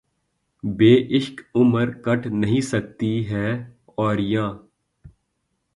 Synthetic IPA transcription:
beːʔɪʃkʊməɾkɐʈʰnɐɦĩsɐk̚t̪iɦɛː | ɔːɾjãː

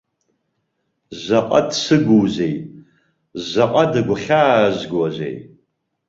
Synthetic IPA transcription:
zaqʼa̰dsɨɡʷuːzejtʼ | zaqʼadaɡʷʊχʲaːʒɡwɐʑʷḛj

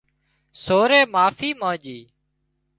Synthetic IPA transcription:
soːɾeːmaːfiːmãːd͡ʒiː

